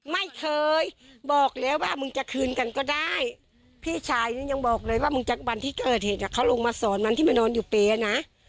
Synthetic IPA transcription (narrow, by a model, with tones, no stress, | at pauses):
ma˥˩jkʰɤː˧jbɔː˨˩k̚lɛː˦˥waː˥˩mɯ˧ŋt͡ɕa˨˩ʔkʰɯː˧nka˧nkɔː˥˩daː˥˩j | pʰiː˥˩t͡ɕʰaː˧˩jniː˧˩ɲa˧ŋbɔː˨˩k̚lɤː˧jwaː˥˩mɯ˧ŋt͡ɕa˨˩wa˧nt̪ʰiː˥˩kɤː˨˩t̪̚heː˨˩t̪̚na˧˩kʰa˦˥wlo˧ŋmaː˧sɔː˨˩˦nma˧t̪ʰiː˥˩maː˧nɔː˧njuː˨˩peː˨˧na˦˥ʔ